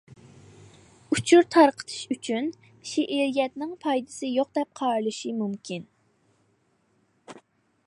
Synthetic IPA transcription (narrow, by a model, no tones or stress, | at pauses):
ut͡ʃʰuɾt̪ʰɑɾqʰə̥t̪ʰɨ̥ʃyt͡ʃʰyn | ʃeʔɪɾijɛt̪nɪŋpʰɑjd̪ɨ̥sɨjoq̚d̪ɛp̚qʰɑːɾlˠɨʃimumkʲʰin